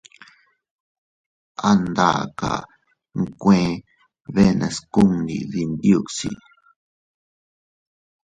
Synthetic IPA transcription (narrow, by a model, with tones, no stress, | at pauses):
a˦nd̪a˦˨ka̰˨ | ŋkʷẽ˧ | βe˦˧nã˧sku˦ŋnḭ˨ði˧nd̪ju˧ksḭ˧